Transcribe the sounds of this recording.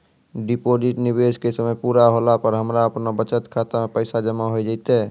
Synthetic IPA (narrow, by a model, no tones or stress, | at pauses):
ɖipod͡ʒiʈnibeskesəməjpuːɾaɦolapəɾɦəmɾaəpnabət͡ʃət̪kʰat̪amepəɪsad͡ʒəmaɦod͡ʒaɪt̪e